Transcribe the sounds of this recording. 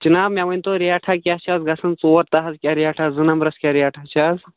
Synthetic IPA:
t͡ʃinaːbmʲjaʋɐnʲt̪oɾiaʈʰakʲjat͡ʃazɡɐsɐnt͡soʋɐɾt̪ɐɦɐskʲjaɾijaʈʰazɨnɐmɾɐskʲaɾijaʈʰat͡ʃaz

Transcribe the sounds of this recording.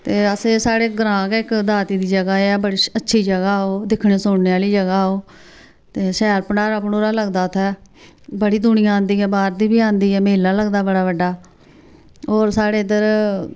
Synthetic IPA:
t̪eːəseːsaːɽeːɡəɾãːkɛɪkd̪aːt̪iːd̪iːd͡ʒəɡaːeːɛːbəɽiːətːʃʰiːd͡ʒəɡaːoːd̪ɪkʰɳeːsʊɽneːaːliːd͡ʒəɡaːoː | t̪eːʃɛːɾpəɳaːɾaːpnoːɾaːləɡd̪aːt̪ʰɛː | bəɽiːd̪ʊɳɪjãːnd̪iːɛːbaːɾd̪iːbiːãːnd̪iːɛːmɪlːaːləɡd̪aːbəɽaːbəɖːaː | oːɾsaːɽeːd̪əɾ

